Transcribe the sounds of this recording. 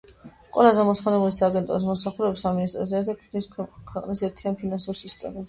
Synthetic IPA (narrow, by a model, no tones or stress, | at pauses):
qʼwɛ̰lˠazɛmɔsχɔnɛbulisaːɡɛnt̪ʼɔs̬mɔmsaχuɾɛpsaminist̪ʼɾɔsɛɾt̪ʰakʰiniskʰwɛqʼnisɛɾt̪ʰianpʰinansuɾsist̪ʼɛ̰ma